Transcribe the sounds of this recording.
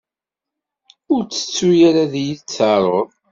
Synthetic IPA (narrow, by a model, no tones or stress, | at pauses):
ʊɾt͡sːə̥t͡sːujaɾaðijit͡sːəɾˤoðˤ